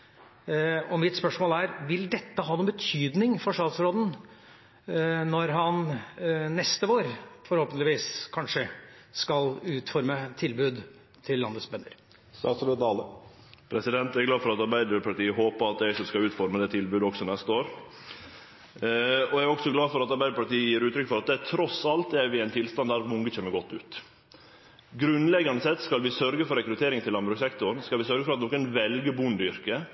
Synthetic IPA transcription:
ɔmɪt̪spœʂmoːlæɾʋɪld̪ɛt̪ːəɦɑːnuːbət̪ʰyːd̪nɪŋfɔʂʈ̪ɑːt̪sɾoːd̪n̩ | nɔɾɦɑn | nɛst̪əoːɾfɔɾhoːpənlɪʋiːskʰɑnʂəskɑlʉːt̪fɔɾmət̪ʰːɪlbʉːd̪ | t̪ʰɪlːɑnət̪sbɛnːə̰ɾ | st̪ɑsɾoːd̪ɑlə | pʰɾɛsɪd̪ɛnt̪æɾɡlɑːfɔɾɑt̪ɑɾbæɪd̪əɾpʰɑʈiːəɦoːpəɑt̪̚d̪ɛsɔmskɑʉːt̪fɔɾməd̪ɛːt̪ʰɪlbʉːd̪əɔksɔnɛst̪əoːɾ | ɔæɔksɔɡlɑːfɔɾɑt̪ɑɾbæɪd̪əpɑʈiːəjiːɾʉːt̪ɾʏkːəfɔɾɑt̪̚d̪ɛæt̪ʰɾɔsɑlt̪ɛæɾʋɪɛɪnt̪ʰɪlst̪ɑnd̪æːɾmʊŋɡət͡ʃɛmːəɾɡɔt̪ːʉːt̪ | ɡɾʉnlɛɡɑnəsɛt̪skɑlʋɪsœɾɡəfɔɾɛkɾʉt̪ʰeːɾɪŋt̪ʰɪlːɑmbɾʉksɛkt̪ʊɾɳn̩skɑlʋɪsœɾɡəfɔɾɑt̪nɔːkənʋɛlɡəbʊnd̪ʏɾkə

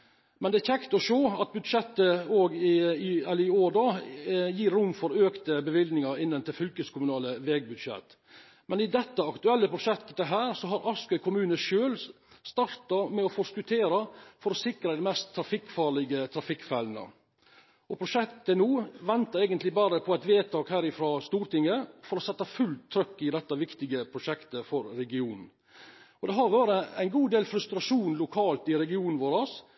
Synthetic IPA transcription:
mɛnd̪ɛæçʰɛkt̪ɔʂoːɑt̪̚bʉd̪ʂɛt̪ːəoːɡɪɪɛlːəɾɪoːɖɑːjiːɾːʊmːfɔɾøːkt̪əbəʋɪld̪nɪŋɑɾɪnːənt̪ɪlfʏlkəskʰʊmʉnɑːləʋɛːɡ̚bʉd̪ʂɛ̰t̪ː | mɛnɪd̪ɛt̪ːəɑkt̪ʉɛlːəpʰɾʊʂɛkt̪ːəd̪ɛɦæːɾsɔɦɑɾʔɑskœʏkʰʊmʉːnəʃøːl | st̪ɑɾt̪ɑmɛɔfɔskʉt̪ʰeːɾɑfɔɾɔsɪkɾəd̪ɛmɛst̪ʰːɾɑfɪkːfɑːɭɪɡət̪ʰɾɑfɪkːfɛlnə̰ | ɔpʰɾʊʂɛkt̪ənuːʋɛnt̪ɑɾæɪɡənt̪lɪbɑːɾəpʰɔæɛt̪ʋeːt̪ʰɑːkhæːɾɪfɾɑːst̪uːɾʈ̪ɪŋːəfɔɾɔsɛt̪ːɑfʉlt̪ʰːɾœkːɪd̪ɛt̪ːɑʋɪkt̪ɪɡəpʰɾʊʂɛkt̪əfɔɾːɛɡɪuːnn̩ | ɔd̪ɛɦɑɾʋæːɾəæɪnɡuːd̪eːlfɾʉst̪ɾɑʂuːnlʊkʰɑːlt̪ɪɾɛɡɪuːnn̩ʋoːɾɑs

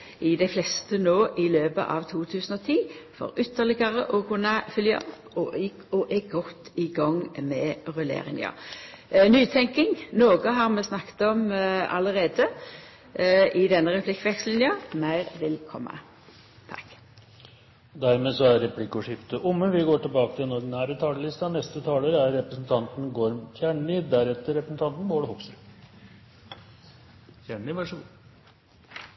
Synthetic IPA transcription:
ɪd̪æɪflɛst̪ənoːʔɪløːbə̰ʔɑ̰ʋt̪ʰuːt̪ʰʉːsən̩ɔːt̪ʰiːfɔ̰ɾʏt̪ːəʁlɪɡəʁəʔɔkʰʉnːɑfʏljə̰ʔɔpːɔɪ | ɔʔɛɡɔt̪ːɪɡɑŋmɛʁʉlḛːʁɪ̰ŋɑ̰ | nyːt̪ʰɛŋkɪŋnoːɡəɦɑʁmɛsnɑkːt̪ɔmɑ̰ləʁeːd̪ə | ɪd̪ɛnːəʁɛpʰlɪkːʋɛkslɪnjəmæɪʁʋɪlkʰɔ̰mːə̰ | t̪ʰɑ̰k | d̪æɾmeːsɔæɾɾɛpʰlɪkːɔʂɪft̪əʔʊmːənʋɪɡoːʈɪlbɑːkət̪ʰɪlɛnɔɖɪnæːɾət̪ʰɑːləlɪst̪ɑnɛst̪ət̪ʰɑːləɾəæɾːɛpɾəsn̩t̪ʰɑnt̪n̩ɡoːɾmt̪ʰjæːɳɭɪd̪æɾɛt̪ːəɾɛpɾəsn̩t̪ʰɑnt̪n̩ʋoːɽəhʊksɾ | jæɳɳɪʋɑʂəː

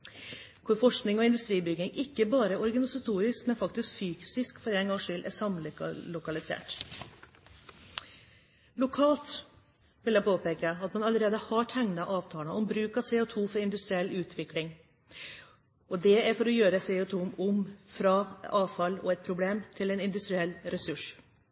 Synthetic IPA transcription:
kʰʊɾfɔʂknɪŋɔɪnd̪ʉst̪ɾiːbʏɡɪŋʔɪkːəbɑːɾəɔɾɡɑnɪsɑt̪ʰuːɾɪskmɛnfɑk̚t̪ɪskfyːksɪskfɔɾɛnɡɑŋʂʏlʔæ̰sɑmllʊkɑlɪsḛːʈ | lʊkʰɑːlt̪ | ʋɪlæɛɪpʰoːpeːkəɑt̪mɑnɑləɾeːd̪əhɑʈʰæŋnɑʔɑːʋt̪ʰɑːənəɔmbɾʉːkɑʋseːɔt̪ʰuːfɔɾɪnd̪ʉst̪ɾɪɛlːʉːt̪ʰʋɪklɪŋ | ɔd̪ɛæɾfɔɾɔjøːɾəseːʊt̪ʰuːmʊmfɾɑɑːʋfɑlɔ̰ɛt̪̚pʰɾʊbleːmt̪ʰɪlɛnɪnd̪ʉst̪ɾɪɛlːɾɛsʉʂ

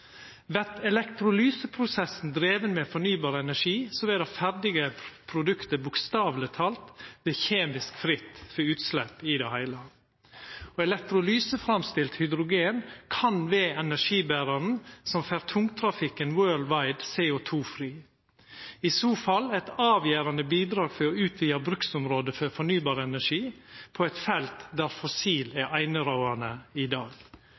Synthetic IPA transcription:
ʋæɾt̪ɛlɛkt̪ɾʊlyːsəpʰɾʊsɛsn̩d̪ɾeːʋənmɛːfɔɳyːbɑːɾəɛnæʂiːsɔʋɛːd̪ɑfæɾɖɪɡəpʰɾʊd̪ʉkt̪əbʊkst̪ɑːʋlət̪ʰɑːlt̪ʋeːçeːmɪskfɾɪt̪ːfɔʉːt̪slɛpːɪd̪ɛhæɪlə | ɔːɛlɛk̚t̪ɾʊlyːsəfɾɑmst̪ɪlt̪hʏd̪ɾʊɡeːnkʰɑnʋeːɛnæʂiːbæːɾɑɾn̩sɔmfæːɾt̪ʰʊŋt̪ʰɾɑfɪkənwøːɭʋɑɪd̪sɛːʊt̪ʰuːfɾiː | ɪsuːfɑlɛt̪ɑːʋjæːɾɑnəbiːd̪ɾɑːɡfɔɾɔʉːt̪ʰʋiːɑbɾʉksʊmɾoːd̪əfɔɾfɔɳyːbɑːɾəɛnæʂiːpʰɔɛɪt̪fɛlt̪d̪æɾfɔsiːlæʔæɪnəɾɑʊɑnəɪd̪ɑːɡ

